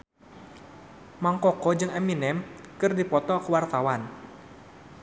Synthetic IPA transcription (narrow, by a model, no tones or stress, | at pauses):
maŋkɔkɔd͡ʒɨŋɛminɛmkɨrdipɔt̪ɔkəwart̪awan